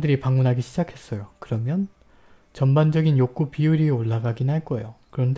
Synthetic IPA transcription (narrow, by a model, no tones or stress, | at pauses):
dɯɾipaŋmunɦaɡiɕʰid͡ʑakʰe̞s͈ʌjokɯɾʌmjʌn | t͡ɕʌnband͡ʑʌɡinjok͈̚upiuɾioɭːaɡaɡinɦaɭk͈ʌejokɯɾʌnde